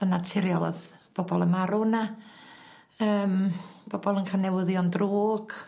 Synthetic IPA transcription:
ənatʰɪɾjɔlˠɔ̰ðb̥ɔbɔlˠəmaɾuna | əːmb̥ɔbɔlˠənkʰanɛwəðjɔndroːɡ̥

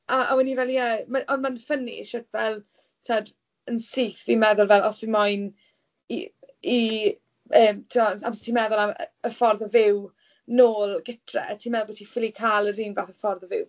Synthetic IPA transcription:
aa̰wɛnivɛlˠjɛmaʔɔnmanfənḭʃətvɛlˠ | tʰad | ənsiːθvimɛðʊlˠvɛlˠɔsvimajn | ḭi | əːmtʰɪmɔa̰mstʰiːmɛðʊlˠa̰əfɔrðɔvɪw | noːlˠɡɪtʰrɛ̰tʰiːmɛðlˠvɔtʰifilˠikʰalˠəriːnvaːθəfɔrðəvɪw

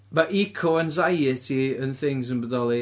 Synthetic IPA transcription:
maʔikʰoanzajɪtʰiənθɪŋzənbədɔlˠi

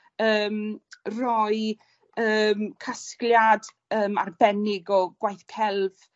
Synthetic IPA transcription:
əːmrɔɨ | əːmkʰaskljad | əːma̰rbɛnɪɡɔɡ̥wajθkʰɛlˠv̥

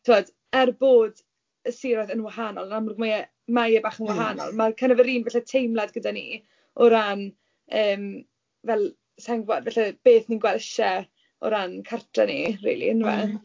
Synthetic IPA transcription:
tʰɪɔd | ɛrboːd | əsiːɾɔðənwaɦaːnɔlˠnamrɡmajɛ | majɛbaχənwaɦanɔ̰lˠmakʰənəvəɾiːnvɛɬɛtʰejmlˠadɡədanḭː | ɔɾan | əːm | vɛlˠ | saŋɡwadvɛɬɛb̥eːθninɡwɛlɛʃɛ | ɔ̰ɾankʰartʰrɛnḭrḭːlḭnva̰

